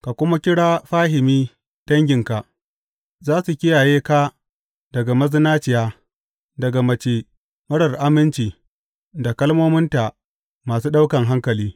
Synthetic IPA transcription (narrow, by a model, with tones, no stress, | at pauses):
ka˨kʷʊ˦ma˦kʲɪ˦ɽaː˦ɸaː˦ɦɪ˨miː˦ | d̥ɐ˦ŋɡʲɪ˨ŋka˨ʔ | zaː˦su˨kʲɪ˦jaː˨jeː˦kaː˦ | dɐ˨ɡa˨mɐ˦zɪ˦naː˦t͡ʃɪ˨jaː˦ | dɐ˨ɡa˨mɐ˨t͡ʃeː˨ | mɐ˦ɽɐ˨rʔa˦mɪ˦nt͡ʃiː˨ | da˨kɐ˦lmoː˦mɪ˦nta˨ʔ | maː˨suː˦ɗa˦wkɐ˨ŋɦa˦ŋkɐ˨liː˦